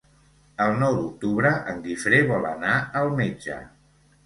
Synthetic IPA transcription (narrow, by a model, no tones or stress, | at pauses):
əlˠnɔwd̪uk̚t̪uβɾəʔəŋɡifɾeβɔlənaəlˠmed͡ʒə̰